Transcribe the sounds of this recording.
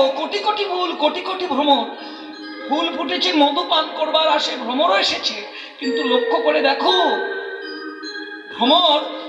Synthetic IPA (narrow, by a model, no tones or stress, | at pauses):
okoʈikoʈibʱulkoʈikoʈibʱɾomoɾ | bʰulpuʈet͡ɕʰimod̪opankoɾbaɾaʃebʱɾomoɾoeʃet͡ɕʰi | kint̪ulokʰːokoɾed̪ɛkʰo | bʱɾomoɾ